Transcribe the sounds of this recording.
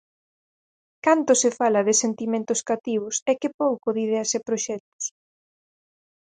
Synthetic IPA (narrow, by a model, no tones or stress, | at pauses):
kant̪ʊsɪfalɐðɪsent̪imẽnt̪ʊskat̪iβʊsɛkɪpowkʊðiðɛasɪpɾoʃɛt̪ʊ̥s